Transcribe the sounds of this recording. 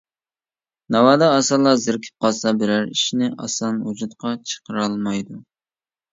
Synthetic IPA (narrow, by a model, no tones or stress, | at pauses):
nɑwɑːd̪ɑːsɑlˠɑzɪɾkʲʰi̥p̚qɑlˠsɑbɪɾæɾiʃnɪʔɑ̰sɑnwud͡ʒut̪qɑt͡ʃʰə̥qəɾɑlˠmɑjd̪u